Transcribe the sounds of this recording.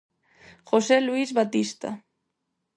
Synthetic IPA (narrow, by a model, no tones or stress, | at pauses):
xoseluizβat̪ist̪a̰